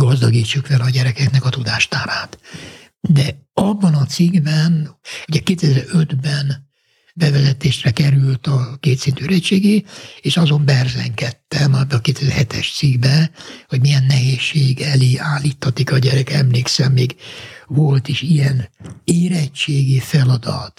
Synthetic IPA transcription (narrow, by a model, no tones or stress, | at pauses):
ɡɒzd̪ɒɡiːt͡ʃːukfɛlɒɟɛɾɛkɛknɛkɒt̪ud̪aːʃt̪aːɾaːt̪ | d̪ɛɒbːɒnɒt̪siɡbɛnoɟɛkeːt̪ɛzɛɾød̪bɛn | bɛvɛzɛt̪eːʃrɛkɛɾylt̪ɒkeːt̪sint̪yɾɛt͡ʃeːɡeːeːʃɒzo̞mbɛrzɛŋkɛt̪ːɛmɛbːɛɒkeːt̪ɛzɛɾhɛt̪ʰɛʃt̪siɡbɛho̞ɟmijɛnːɛɦeːʃːeːɡɛleːaːlːit̪hɒt̪ikɒɟɛɾɛkɛmleːksɛmːeːɡvo̞lt̪iʃijɛneːɾɛt͡ʃːeːɡifɛlɒd̪ɒ̰t̪